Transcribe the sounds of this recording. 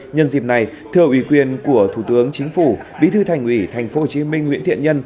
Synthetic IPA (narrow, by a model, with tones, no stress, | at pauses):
ɲə˧nzi˨˩p̚na˨˩j | t̪ʰɨ˧əʔwi˧˩kwi˨˩ənku˧˩ət̪ʰu˧˩t̪ɨ˨˦əŋt͡ɕï˨˦ŋ̟fu˧˩ɓḭ˨˧˥t̪ʰɨ˧t̪ʰa˨˩jŋ̟ʔwi˧˩t̪ʰa˨˩jŋ̟fo˨˦ho˨˩t͡ɕi˨˧˦mï˧ŋ̟ːwḭ˧˥ət̪ḭ˧˨əɲə˧n